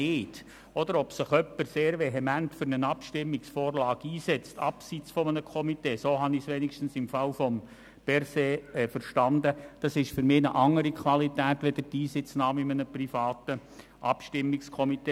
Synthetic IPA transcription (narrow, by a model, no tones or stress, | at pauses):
eːt | ɔd̪əɾɔpsɪχœpːəɾseːɾʋɛɦɛmæntfʏɾnənɑpʃtɪmːɪksfoːɾlɑːɡ̥iːsɛt͡stɑpsiːt͡sfɔmənəkʰɔmiteːsoːɦɑnɪsʋenikʃtn̩sɪmfɑlfɔm | b̥ɛɾseːɛfəɾʃtɑnd̪əd̥ɑsɪʃfʏɾmɪːnəʔɑŋːəɾikʰʋɑlitæːtʋed̥̪əɾtiːsɪt͡snɑːmɪmənəprifɑːtə | ʔɑpʃtɪmːɪkskʰɔmit̪eː